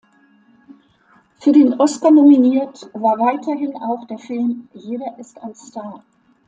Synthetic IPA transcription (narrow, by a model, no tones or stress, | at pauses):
fyːɐdeːnʔɔskɐnominiːɐtvaːɐvaɪtʰɐɦɪnaʊxd̥eːɐfɪlmjeːɾɐʔɪstanstaɐ